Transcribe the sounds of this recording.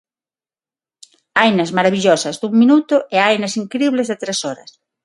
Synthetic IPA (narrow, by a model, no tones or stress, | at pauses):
ajnɐzmaɾaβiʎɔsɐzðuŋminut̪ʊʔeajnɐsiŋkɾiβlezðɪt̪ɾesɔɾɐ̰s